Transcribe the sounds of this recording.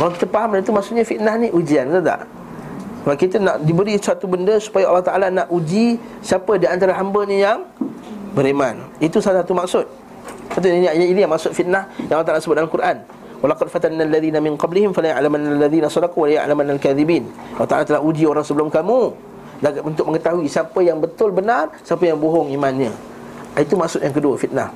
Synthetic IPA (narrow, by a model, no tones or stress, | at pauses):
kalawkit̪əpaɦamdait̪umaʔsʊʔ̪̚ɲafit̪̚nahniʔud͡ʒianad̪a̰ʔ | səbaʔkit̪ənaʔdibəɾisat̪ubəndəsu̥pajaʔɑlːɑht̪aʔalanaʔud͡ʒisiapədiant̪aɾaɦambəɲajaŋ | bəɾemanit̪usasat̪umaksʊt̪̚ | sat̪̬uinainijaŋmaʔsʊt̪fit̪̚nahjaŋalːɑt̪alasəbʊt̪alkuɾʔan | walɑqɑd̚fat̪alnaːlːaðiːnamɪnqɑblihɪmfalaja̰ʔlamanːalːaðiːnasˤɑdɑquwalaja̰ʔlamanːalkaðibiːn | ʔalɑht̪alat̪əlahud͡ʒioɾaŋsəbəlʊmkamu | daɡatunt̪ʊk̚ʔməŋət̪aɦuisiapəjaŋbət̪ʊlbənarsiapəjaŋboɦʊŋimãnɲə̃ | it̪umaksʊt̪̚jaŋkəduəfit̪̚na̰h